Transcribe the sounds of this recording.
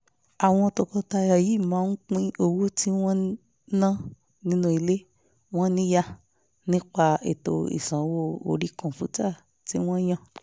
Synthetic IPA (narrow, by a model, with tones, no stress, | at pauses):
a˨w̃ɔ̃˧tɔ˧kɔ˧ta˧˨ja˨ji˨˦˨mãː˨˦n̩˦k͡pĩ˦o˧wo˦ti˦w̃ɔ̃˦ | nã˦ | nĩ˦nũ˦i˧le˦ | w̃ɔ̃˦nĩ˦ja˦ | nĩ˦k͡pa˧ḛ˨to̰˧ḭ˨sã˨˦wo˦˨o̰˧ɾi˦kɔ̃˨fu˨˦ta˦˨ | ti˦w̃ɔ̃˦j̃ã˦